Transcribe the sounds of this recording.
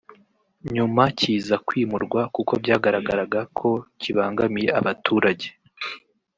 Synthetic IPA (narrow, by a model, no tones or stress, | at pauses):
ɲumaciːzakwiːmuɾɡwakuko̞bɟaːɡaɾaɡaɾaɡakʰo̞ciβaːŋɡamije̞aβatʰuːɾaɟe̞